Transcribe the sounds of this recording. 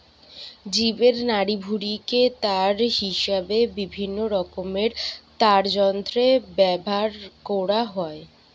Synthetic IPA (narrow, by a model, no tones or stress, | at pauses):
d͡ʑibeɾnaɾibʱuɾiket̪aɾɦiʃabebibʱinːoɾɔkomeɾt̪aɾd͡ʑɔnt̪ɾebɛbʱaɾkɔɽaɦɔe